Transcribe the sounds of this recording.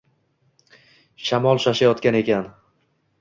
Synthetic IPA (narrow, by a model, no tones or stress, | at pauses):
ʃamɒlˠʃaʃajɒt̪kʲane̞kʲʰan